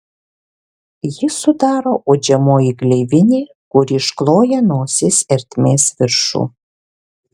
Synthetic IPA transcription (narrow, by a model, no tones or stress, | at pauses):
jɪsʊd̪ɑːɾoːʔoːd͡ʒʲɛmoːjiɡlʲɛɪʋʲɪnʲeː | kʊɾʲiʃklˠoːjɛnoːsʲɪsɛɾʲt̪ʲmʲeːsʋʲɪɾʃṵː